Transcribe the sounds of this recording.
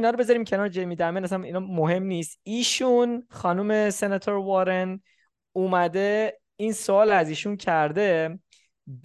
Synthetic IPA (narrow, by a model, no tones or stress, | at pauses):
nɒːɾobe̞zɒɾiːmcʰe̞nɒːɾd͡ʒejmid̪æmenæsæninɒmoɦe̞mniːst̪iːʃunxɒːnuːme̞senet̪ʰoɾvɒːɾen | uːmæd̪e | iːnsoɒːlæziːʃuncʰæɾd̪e̞